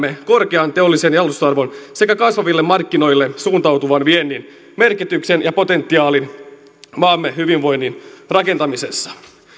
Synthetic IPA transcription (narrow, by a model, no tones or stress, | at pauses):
eko̞rkeɑnt̪e̞o̞lːisenjɑlust̪oɑrʋo̞nse̞kækɑsʋɑʋilːe̞mːɑrkːino̞jlːe̞suːnt̪ɑwt̪uʋɑnʋienːin | me̞rkit̪yksenjɑpo̞t̪e̞nt̪ːiɑːlin | mɑːmːeɦyʋinʋo̞jnːinrɑke̞nt̪ɑmise̞sːɑ̥